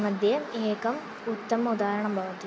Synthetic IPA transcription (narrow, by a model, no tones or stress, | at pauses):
mɐd̪ʱjɐmeːkɐm | ut̪ːɐmɐud̪aːɾɐɳɐmbʱɐʋɐt̪ːi